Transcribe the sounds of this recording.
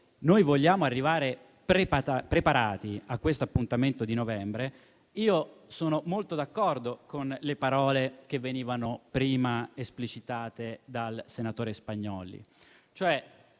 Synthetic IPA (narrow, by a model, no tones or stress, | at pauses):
nojvoʎːaːmoarːivaːɾe | pɾep̪apɾepaɾaːt̪iakːwest̪oapːunt̪ament̪od̪inovɛmbɾe | iːosoːnomolt̪od̪akːɔrd̪okonlepaɾɔːlek̟evːeniːvanopɾiːmaesplit͡ʃit̪aːt̪ed̪alsenat̪oːɾespaɲːɔːlḭ | t͡ʃoɛ